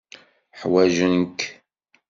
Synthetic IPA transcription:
ħwæʒənk

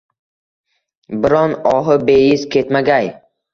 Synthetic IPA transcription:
bɪɾɒnɒɦɪbe̞jɪzkʲʰet̪maɡʲaj

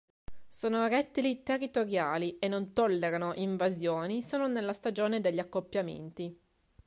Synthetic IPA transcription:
soːnoɾɛt̪ːilit̪erːit̪oɾjaːlienːont̪olːeɾanoʔiɱvazjoːnisoːnonelːast̪ad͡ʒoːned̪eʎːakːopːjamḛnt̪i

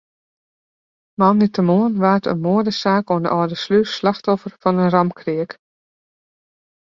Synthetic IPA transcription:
mamditəmoənʋaːtə̰nmoədəsaːkoəndə̰ʔɔːdəslyslɑxtɔfərfɔnənrɑmkʰriək

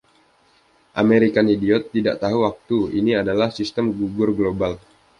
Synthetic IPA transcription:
ʔameɾikanidiɔt̪ːida̰ʔt̪aɦuwak̚t̪uiniadalahsist̪əmɡuɡʊrɡlobal

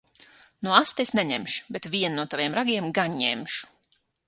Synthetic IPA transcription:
nuɔast̪esnɛɲɛmʃu̥bet̪vʲiɛnnuɔt̪avʲiɛmɾaɡʲiɛmɡaɲɲɛ̰mʃu̥

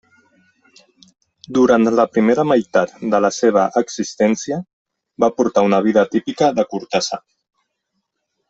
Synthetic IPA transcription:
d̪uɾant̪ləpɾimeɾəmajt̪at̪̚d̪ələseβ̞əʔəksist̪ɛnsijə | bapuɾt̪aunəβ̞iðət̪ipikəðəkuɾt̪asa̰

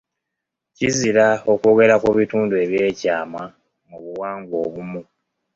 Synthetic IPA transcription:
ciziɾao̞koɡe̞ɾakuβituːndue̞βje̞ːcaːma | muβuwaːŋɡwo̞ːβumu

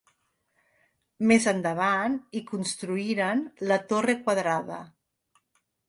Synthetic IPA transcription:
mezənd̪əβ̞anikunst̪ɾuiɾənlət̪orekwaðɾaðə̰

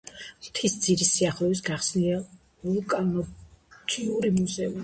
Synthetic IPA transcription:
mt̪ʰisd̪ziɾisiaχlˠɛvis̬ɡaχsnia | ulkʼanɔt̪ʰʼiuɾimuzɛumi

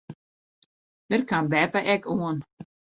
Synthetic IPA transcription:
d̥ərkanbɛpəʔɛkʰuən

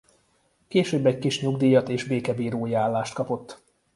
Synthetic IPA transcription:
keːʃøːbɛɟkiʃɲuɡd̪iːjɒt̪eːʒbeːkɛbiːɾoːjiaːlːaːʃt̪kɒpo̞t̪ː

